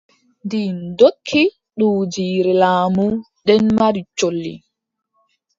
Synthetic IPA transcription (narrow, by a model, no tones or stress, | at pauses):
ndindokʰːi | ɗuːd͡ʒiːɾɛlaːmu | ɗɛnmaɾit͡ʃolːḭ